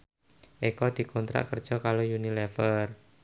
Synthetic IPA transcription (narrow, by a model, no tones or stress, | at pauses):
ʔekɔd̪̥i̤kɔnt̪ɾa̰ʔkərd̥ʒ̥ɔ̤kalojunilɛfər